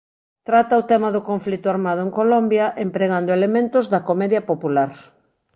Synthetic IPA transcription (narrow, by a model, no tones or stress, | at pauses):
t̪ɾat̪ɐʊt̪ɛmɐðʊkoɱflit̪ʊaɾmað̞ʊeŋkolombjɐʔempɾeɣand̪ʊelemẽnt̪ʊzðɐkomɛðjɐpopulaɾ